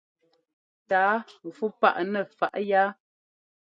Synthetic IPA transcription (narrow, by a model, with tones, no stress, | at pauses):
taː˨˦˨fu˦pa̰˦˨ʔnɛ˨fa˨ʔja˦